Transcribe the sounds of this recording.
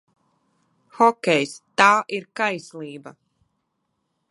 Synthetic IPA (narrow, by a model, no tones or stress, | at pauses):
xɔkʲɛjst̪aːʔiɾkajsliːba